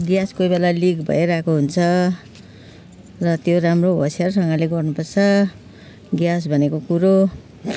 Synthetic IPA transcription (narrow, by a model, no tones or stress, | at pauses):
ɡjaskojbelalikbʱʌ̰eɾakoɦunt͡sʰʌ | rʌt̪joɾamroɦo̰sjarsʌŋɡaleɡʌrnupʌrt͡sʰʌ | ɡjas̬bʱʌnekokuɾo